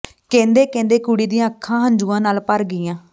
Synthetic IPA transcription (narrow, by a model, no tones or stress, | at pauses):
kɛ̃ːnd̪eːkɛ̃ːnd̪eːkuɽiːd̪ĩːãːkʰːãːɦənd͡ʒuːãːnaːlpəɾɡɪjãː